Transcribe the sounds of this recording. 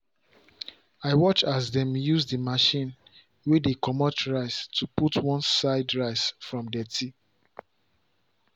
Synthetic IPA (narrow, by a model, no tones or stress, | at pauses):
aɪwɔt͡ʃasdɛ̃mjuzdimaʃĩn | wedekɔmɔtʰɹaɪstʰuputwɔ̃nsaɪdɹaɪsfɹɔ̃mdɛtʰi